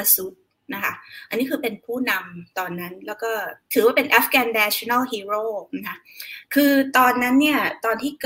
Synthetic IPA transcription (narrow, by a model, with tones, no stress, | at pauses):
a˧su˦˥t̪̚ | na˦˥kʰa˦˥ʔa̰˧nːi˦˥kʰɯː˧pe˧npʰuː˥˩na˧mt̪ɔː˧nːa˦˥nlɛː˦˥wkɔː˥˩t̪ʰɯː˨˩˦waː˥˩pe˧nʔaː˦˥fɡɛː˧nːɛː˦˥t͡ɕʰo˧˨na˥˩ɦiː˧ɾoː˥˩˦kʰa˦˥kʰɯː˧t̪ɔː˧nːa˦˥nːi˥˩ɐt̪ɔː˧nt̪ʰiː˥˩k